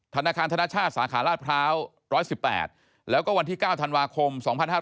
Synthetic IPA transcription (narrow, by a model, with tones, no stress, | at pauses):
t̪ʰa˧naː˧kʰaː˧nt̪ʰa˧na˥˩t͡ɕʰaː˥˩t̪̚saː˩˦kʰaː˩˦laː˥˩t̪̚pʰɾaː˦˥w | ɾɔː˦˥jsi˨˩pːɛ̰ː˨˩t̪̚ | lɛː˦˥wkɔː˥˩wa˧nt̪ʰiː˥˩kaː˥˩wt̪ʰa˧nwaː˧kʰo˧msɔː˩˦ŋpʰa˧nhaː˥˩